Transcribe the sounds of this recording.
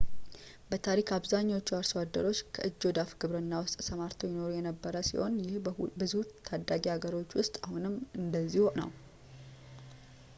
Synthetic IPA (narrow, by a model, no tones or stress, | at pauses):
bət̪ʰaɾikʰaβzaɲːawot͡ʃːuaɾswad̪ːə̰ɾo̞t͡ʃːkʰə̰ʔɨd͡ʒːo̞d̪afɡɨβɾɨnːawʊst̪ʼsəmaɾt̪ʰojɪno̞ɾujɛnəbːəɾəsḭho̞̰njɪhbɨzut̪ʰːad̪ːaɡiaɡəɾo̞t͡ʃːwʊst̪ʼahunɨmːɨnd̪əzːihonə̰w